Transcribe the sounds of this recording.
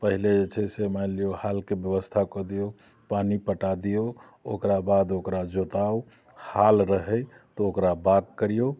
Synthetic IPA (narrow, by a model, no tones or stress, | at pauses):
pəɦiled͡ʒet͡ʃʰɛsemɛlijohalkebjəβəst̪ʰakɔd̪ijo | panipəʈad̪ijo | o̰kɾabad̪okɾad͡ʒot̪au | halɾəɦɛj | t̪ɔokɾabaɡ̚kəɾijo